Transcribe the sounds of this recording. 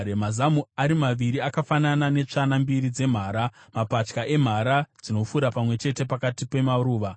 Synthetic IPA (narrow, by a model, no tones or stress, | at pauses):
emazamuaɾimaʋiɾiakafananane̞t͡ʂanambiɾid͡ze̞m̤aːɾamapat͡ʃkaʔe̞m̤aɾad͡zino̞fuɾapamwe̞t͡ʃe̞te̞pakatipe̞maɾuːʋa